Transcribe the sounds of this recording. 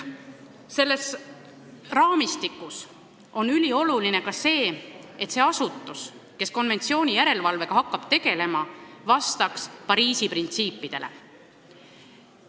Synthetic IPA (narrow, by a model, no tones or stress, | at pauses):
se̞lːe̞s | rɑːmist̪ikːˑus | o̞nylʲio̞luline̞kɑse̞ː | e̞t̪ːse̞ɑsut̪ːˑus | ke̞sko̞nve̞nt̪sio̞ːnʲijæɾe̞lvɑlve̞ɡ̥ɑɦɑkˑːɑb̥t̪e̞ɡe̞le̞mɑvɑst̪ɑkspɑɾiːsiprint̪siːpːˑid̪̥e̞le̞̰